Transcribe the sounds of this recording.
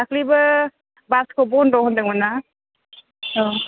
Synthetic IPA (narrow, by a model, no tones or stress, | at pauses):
akʰlibɯ | baskʰɔbɔndɔhɔndɯŋmana | ɔ